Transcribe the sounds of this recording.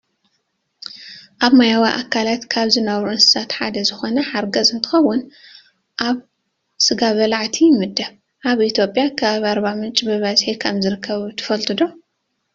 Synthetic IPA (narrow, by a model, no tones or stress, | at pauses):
ʔaβmajawiʔakʰːalat̪kʰaβzɨnɐβɾuʔɨnsɨ̥sat̪ħad̪ɐzɨxo̞nɐħaɾɡɐzɨnt̪ʰɨ̥xɐwːʊn | ʔaβ | sɨɡaβɐlaʕt̪ʰijmɨd̪ːɐβ | ʔaβit̪ʰjo̞pʼjakʰaβaɾbamɨnt͡ʃʼbɨβɐzħikʰɐmzɨɾɨkʰːɐβt̪ʰɨ̥fɐlt̪ʰɨd̪o